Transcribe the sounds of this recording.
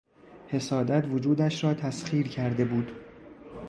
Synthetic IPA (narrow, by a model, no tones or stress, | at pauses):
he̞sɒːd̪æt̪ʰvod͡ʒuːd̪æʃɾɒːt̪ʰæsχiːɾcʰæɾd̪e̞buːd̪̥